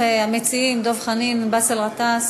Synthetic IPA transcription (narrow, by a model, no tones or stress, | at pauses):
eamet͡siimd̪ovχaninbaselʁat̪as